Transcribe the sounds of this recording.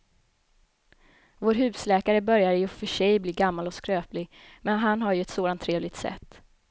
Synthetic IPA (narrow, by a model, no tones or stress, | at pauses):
voːɾɦʉ̟ːslɛːkaɾəbœɾjaɾjɵfœʂɛjbliːɡamːalɔskɾøːplɪɡ | mɛnɦanɦaɾjɵɛt̪soːd̪ant̪ʰːɾeːvlɪɡ̚t̪sɛ̰t̪ː